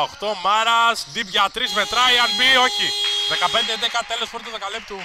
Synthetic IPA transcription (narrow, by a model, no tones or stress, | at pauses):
oxt̪o̞mɐɾɐsd̪ipʝɐt̪ɾizme̞t̪ɾɐiɐnbio̞çiðe̞kɐpe̞nd̪eend̪ekɐt̪elo̞spɾot̪oðokɐlip̚t̪u